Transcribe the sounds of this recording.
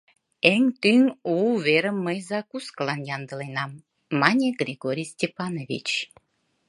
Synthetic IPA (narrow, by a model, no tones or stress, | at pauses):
eŋt̪yŋuβeɾəmːəjzɑkusklɑnjɑnd̪ə̆lenɑmː | ɑnʲeɡrʲiɡoɾʲijsʲtʲepɑnovʲḭt͡ɕ